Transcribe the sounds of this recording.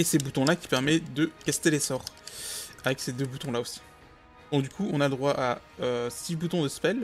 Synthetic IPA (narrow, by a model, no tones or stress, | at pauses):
esebut̪ɔ̃lakʲi̥pɛʁmɛd̪əkast̪elesɔʁ | avɛksed̪øbut̪ɔ̃laosi̥ | ɔ̃d̪ykʰuɔ̃naləd̪ʁwaʔa | øsibut̪ɔ̃d̪əspɛl